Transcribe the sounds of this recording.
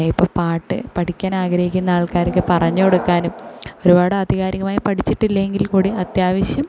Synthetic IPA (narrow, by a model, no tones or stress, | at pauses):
ipːopaːʈːɨ̰pɐʈikʲːaːnaːɡɾɐhikʲːunːɐaːɭkaːɾokːɨpɐrɐɲːɐoɽukːaːnumo̞ɾubaːɽɨɐd̪ʱiɣaːɾiɣɐmaːjipɐʈʰit͡ɕːiʈːilːeŋɡilkuːɽiɐt̪jaːʋɐɕjɐm